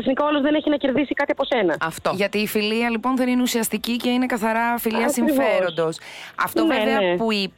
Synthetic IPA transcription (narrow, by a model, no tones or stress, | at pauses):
ɐsnikɐolozðeneçinɐce̞ɾðisikɐt̪iɐpo̞senɐɐft̪o̞ʝɐt̪iːfiliɐlipo̞nθðe̞nineusiɐst̪icice̞ine̞kɐθɐɾɐfiliɐsiɱffeɾo̞nd̪o̞sɐ̰ft̪oveveɐpui